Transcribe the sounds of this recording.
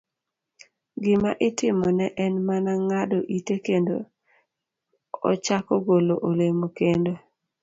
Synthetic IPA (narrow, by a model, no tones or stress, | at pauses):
ɡɪmaʔɪtɪmɔnɛʔɛnmanaŋadoʔitekendo̰ | ɔ̰t͡ʃakɔɡoloʔolemokendo